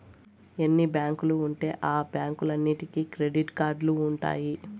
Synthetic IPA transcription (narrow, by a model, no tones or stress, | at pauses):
enːibjaːŋkuluːɳʈe̞ːʔaːbjaːŋkulɐnːiʈikiːkɾe̞ɖiʈkaːɾɖluːɳʈa̰ːji